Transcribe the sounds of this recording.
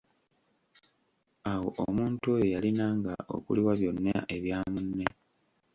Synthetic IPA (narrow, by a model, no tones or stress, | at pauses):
awo̞ʔomuːntuojo̞jalinaːŋɡa̰ʔo̞̰kṵliwaβjo̞nːa̰ʔe̞βjaːmunːe̞